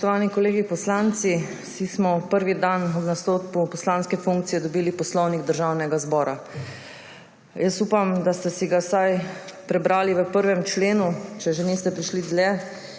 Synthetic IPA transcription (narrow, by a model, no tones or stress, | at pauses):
spɔʃt̪ɔʋaːnikɔleːɡipɔslant̪si | sismɔpəɾʋid̪anɔd̪nast̪oːt̪kupɔslaːnskɛfuŋk̚t̪sijɛd̪ɔbiːlipɔslɔwniɡd̪əɾʒaːwnɛɡazbɔːɾa | jəsupamd̪ast̪ɛsiɡasajpɾɛbɾaːliʋəpəɾʋɛmt͡ʃleːnut͡ʃɛʒenist̪ɛpɾiʃlid̪lɛ